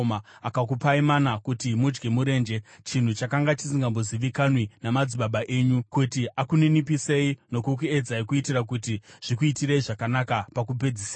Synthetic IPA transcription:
maakak̬upaimanakutimud͡ʒɡemuɾe̞ːnd͡ʒe̞t͡ʃin̤ut͡ʃakaŋɡat͡ʃi̥s̬iŋɡamboziʋikanwinamad͡ziɓaɓaʔeːɲukutiʔakuninipise̞ino̞kuk̬ue̞d͡zaikuitirak̬utiʐ̥ikuitiɾeiʐakanakapakup̬e̞d͡zisa

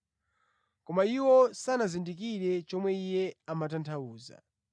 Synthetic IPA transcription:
kɔmaiwɔsanazindik̬iɾɛt͡ʃɔmwɛijɛamatantʰauːza̰

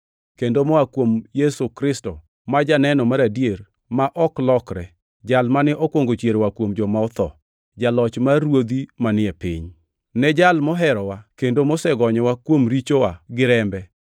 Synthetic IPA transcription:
kendomɔwakwomjɛsokɾɪsto | mad͡ʒanɛnɔmaɾadjeɾ | maʔɔklɔkɾɛ̰ | d͡ʒalmanɪʔɔkwoŋɡot͡ʃjeɾwakwomd͡ʒɔmaɔt̪ɔ̰ | d͡ʒalɔt͡ʃmarwod̪imanɪɛpɪ̰ɲ | nɛd͡ʒalmɔɦɛɾɔwakendomɔsɛɡɔɲɔwakwomɾit͡ʃowaɡɪɾɛmbɛ

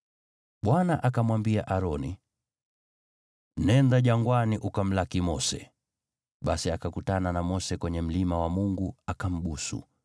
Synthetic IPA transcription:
ɓwanaʔakamwambiaʔaɾɔni | nɛndaʄaŋɡwaniʔukam̩lakimɔsɛ̰ | ɓasiakakutananamɔsɛkwɛɲɛm̩limawamuŋɡuakam̩ɓusṵ

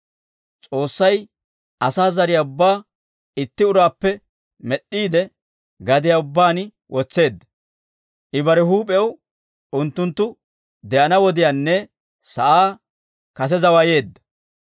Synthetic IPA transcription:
t͡sʼo̞ːsːɐj | ʔɐsaːzɐɾɪjaʊbːaː | ɪt̪ːɪʊɾaːpːɛ | mɛɗːiːd̪ɛ | ɡɐd̪ɪjaʊbːaːn | wʔɔt͡sːe̞ːd̪ːɐ | ʔɪbɐɾɛɦuːpʼɛw | ʊnt̪ːʊnt̪ːʊ | d̪ɛʔɐnɐwɔd̪ɪjaːnːɛ | sɐʔaː | kɐs̬ɛzɐwɐje̞ːd̪ːɐ̥

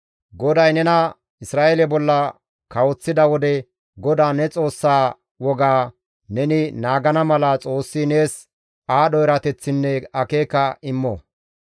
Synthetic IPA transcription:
ɡɔd̪ɐjnɛnɐ | ɪsɾaːʔelɛbɔlːɐ | kɐwɔt͡sːɪd̪ɐwɔd̪ɛ | ɡɔd̪aːnɛt͡sʼo̞ːsːaː | wɔɡaː | nɛnɪnaːɡɐnɐmɐlɐt͡sʼo̞ːsːine̞ːs | aːɗɔjɛɾɐt̪ɛt͡sːɪnːɛɐkeːkɐɪmːɔ

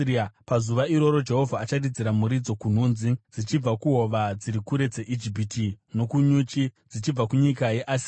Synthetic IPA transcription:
pazuʋaiɾo̞ɾo̞d͡ʒe̞ɦo̞vʱaːt͡ʃadid͡ziɾamuɾid͡zo̞kun̤uːnzid͡zit͡ʃib͡vakuɦo̞ʋad͡ziɾikuɾe̞d͡ze̞ʔid͡ʒip̬itino̞kuɲuːt͡ʃid͡zit͡ʃib͡vakuɲikajeʔasia

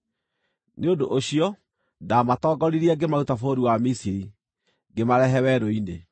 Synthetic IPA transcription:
neodoʔoɕiɔ | daːmatɔːɡɔɾiɾiɛɡemautafoɾiwamisiɾi | ɡemaɾɛɦɛwɛɾoine

